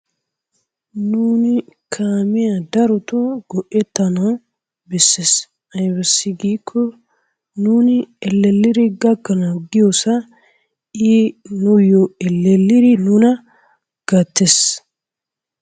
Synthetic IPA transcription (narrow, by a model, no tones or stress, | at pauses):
nuːnɪkʰaːmɪjɐd̪ɐɾɔt̪ɔɡɔʔɛt̪ːɐnɐw | bɛsːes | ɐjbɛsːɪɡiːkʰːɔ | nuːnɪɛlːɛlːɪɾɪɡɐɡːɐnɐwɡɪjosɐ | inʊjɔɛlːɛlːɪɾɪnunɐ | ɡ̥ɐt̪ːes